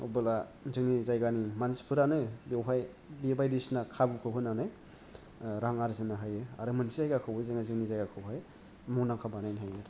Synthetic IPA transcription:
ubɯlazɯŋnizajɡanimanspʰɯɾanɯbewɦaj | biebajdisnakʰabɯkʰɯɦʰɯnanɯ | ɾaŋaɾzɯnaɦajɯaɾɯmɯnsizajɡakʰɯwɯzeŋazɯŋnizajɡakʰɯwɦaj | muŋnaŋkʰabanajnɦajaɾ

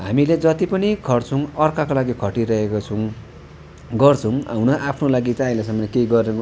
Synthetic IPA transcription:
ɦamiled͡zʌt̪ipʌnikʰʌrt͡sʰʌ̃ʌrkakolaɡikʰʌʈiɾʌɦekot͡sʰʌw̃ | ɡʌrt͡sʰʌw̃a̰wnʌʔapʰnolaɡit͡saĩlesʌmʌnkejɡʌre

